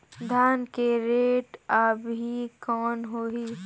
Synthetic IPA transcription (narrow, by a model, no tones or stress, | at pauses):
d̪ʱaːnkeɾeːʈəbɦikɔːnɦoɦiː